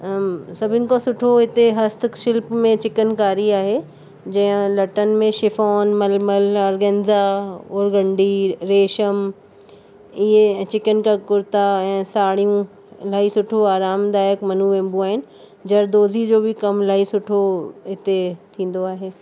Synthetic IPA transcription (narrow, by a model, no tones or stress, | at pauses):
sɐbʱɪnɪ̆kosʊʈʰoɪt̪eɦɐst̪kʃɪlpmẽt͡ɕɪkənkaːɾiaːɦe | d͡ʑɐɦə̃lɐʈənmẽʃɪfɔːnmɐlməlɐɾɡẽnzaʊɾɡɐ̃ɳɖiɾeːʃəm | ɪɦet͡ɕɪkənkakʊɾt̪aɛ̃ːsaːɽ̤ijũ | laːisʊʈʰoaːɾaːmd̪aːjəkmɐnũʋẽːmbũaːɦɪnɪ̆ | d͡ʑɐɾd̪oːzid͡ʑoːbʱikɐmlaːisʊʈʰoɪt̪et̪ʰĩːn̆d̪oaːɦeː